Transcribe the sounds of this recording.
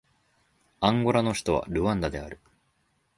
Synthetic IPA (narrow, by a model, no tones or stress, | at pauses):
ãŋɡo̞ɾano̞çi̥t̪o̞βa̰ɾɯ̟ãnd̪ad̪e̞a̰ɾɯ̟